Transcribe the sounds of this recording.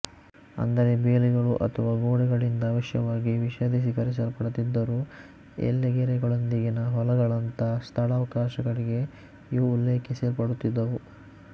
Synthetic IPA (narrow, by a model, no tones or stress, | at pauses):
ɐ̰nd̪ɐɾe̞beːliɡɐɭuʔɐ̰t̪ʰɐʋɐːɡoːɽɛɡɐɭind̪ɐːʋɐʃjɐ̰ʋaːɡiʋiʃɐd̪is̬ikɐɾis̬ɐlpɐɽut̪ːid̪ːɐɾuː | ḛlːɛɡeɾɛɡɐɭond̪iɡenɐɦɔlɐɡɐɭɐnt̪ɐst̪ʰɐɽaːʋɐkaːʃɐɡɐɭiɡe̞ | iʋuulːeːkeseːɾpɐɽut̪ːid̪ːɐʋu